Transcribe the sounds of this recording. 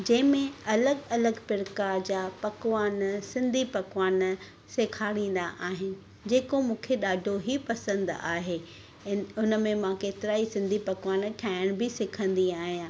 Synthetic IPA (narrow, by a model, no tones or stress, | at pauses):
d͡ʑɐ̃ɦɪ̃mẽɐləɡɐləɡfɪɾkad͡ʑaːpɐkʋaːnsɪ̃nd̪ʱipɐkʋaːn | seːkʰaːɽĩːn̆d̪aʔaːɦɪnɪ̆ | d͡ʑeːkomũːkʰeɗaːɖʱoɦipɐsə̃nd̪aːɦeː | ʊnə̆mẽmãkeːt̪ɪɾaːisɪ̃nd̪ʱipɐkʋaːnʈʰaːɪɽ̃bɪsɪkʰə̃nd̪iaːɦijãː